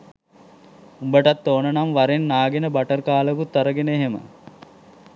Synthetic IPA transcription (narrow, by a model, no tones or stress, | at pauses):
umbəʈat̪ːoːnənamʋaɾenːaːɡenəbaʈərkaːləkut̪ːəɾəɡenəeɦemə̰